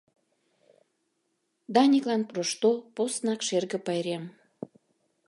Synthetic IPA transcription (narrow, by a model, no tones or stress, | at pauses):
d̪ɑnʲiklɑnproʃt̪oposnɑkʃerɣə̆pɑjɾem